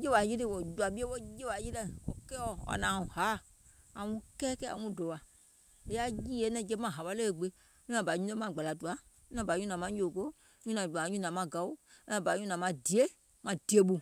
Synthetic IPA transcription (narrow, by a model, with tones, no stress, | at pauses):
je˦wa˨ji˦ɾe˦˨wɔ˨d͡ʒu˧a˨ɓi˦e˦wo˦je˦wa˨ji˦lɛ˧˨wɔ̰˨kɛ˦ɔ˦˨wa̰˨nã˨ũ˨ha˨˦˨ | a˨ŋũ˦kɛː˦kɛ˦a̰˨ŋũ˦dɔ˨wa˨ | e˨ja˦jiː˦je˨˦nɛ̃˧˨d͡ʒɛ˦˧˦mã˦˨ɦa˨wa˦le˦˨ɡ͡be˧˦ | ɲũ˦nã˨ba˨˦ɲũ˦ɛ˦mã˧˨ɡ͡ba˨la˨du˨ã˨˦ | nã˨ba˨˦ɲũ˦nã˨mã˧˦jo˨ɡo˦ | ɲũ˦nã˨u˨ã˨˦ɲũ˦nã˨mã˧ɡa˨˦u˦ã˧˨ba˨˦ɲũ˦nã˨mã˧di˨e˦ | mã˨d̥i˨e˦ɓu˧